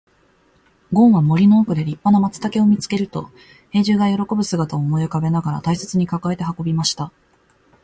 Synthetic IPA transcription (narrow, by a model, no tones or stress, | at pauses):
ɡõ̞ɰ̃βamo̞ɾʲino̞ːkɯ̟d̪e̞ɾʲipːano̞mat͡sɨ̥t̪ake̞o̞mʲit͡sɨ̥ke̞ɾɯ̟t̪o̞̰ | he̞ːʑɨːɡajo̞ɾo̞ko̞bɯ̟sɨɡat̪aoːmo̞jokabe̞naɡaɾa̰t̪aise̞t͡sɨɲ̟ikakae̞t̪e̞ɦako̞bʲimaɕi̥t̪a